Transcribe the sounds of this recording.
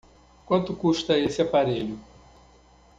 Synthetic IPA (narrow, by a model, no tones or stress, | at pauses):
kwɐ̃nt̪ʊkuʃt̪ɐesɪapaɾeʎʊ